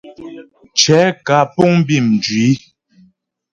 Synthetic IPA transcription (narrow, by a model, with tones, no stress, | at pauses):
t͡ʃɛ˨˦ka˨˦pɔ˦˨ŋm˦bi˦˨mn˨d͡ʒɥi˨˦